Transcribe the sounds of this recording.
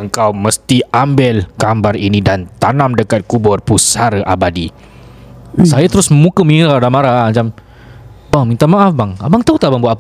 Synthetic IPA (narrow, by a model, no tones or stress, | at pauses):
əŋkawməst̪iambɪlkambaɾinĩdant̪anãmdəkat̪̚kubɔrpusaɾəʔabadi | sajat̪əɾʊsməmũkəmĩɾadamaɾad͡ʒam | bamĩnt̪amaʔafbaŋa̰baŋt̪aut̪aʔbaŋbuata